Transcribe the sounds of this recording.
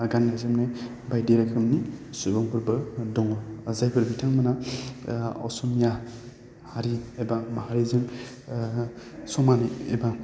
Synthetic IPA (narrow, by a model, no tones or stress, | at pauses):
aɡanːazɯmne | bajdeɾakʰɯmnisubɔŋbʰuɾbɯdɔŋzajpʰɯɾbitʰaŋmana | ɔ̰sɔmija | haɾiebamahaɾizɯŋ | sɔmaniḛba